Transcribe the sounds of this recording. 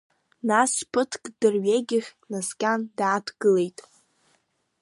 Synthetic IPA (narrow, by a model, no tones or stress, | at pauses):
naspʰɨtʰkʼdɨrɥeɡʲɪχʲnazkʲʼandaːtʰɡ̥ɨle̞jtʼ